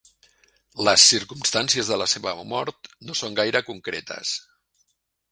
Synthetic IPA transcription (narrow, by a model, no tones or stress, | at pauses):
ləsːiɾkumst̪ansiəzðələseβəmɔɾt̪nosoŋɡajɾəkuŋkɾḛt̪ə̰s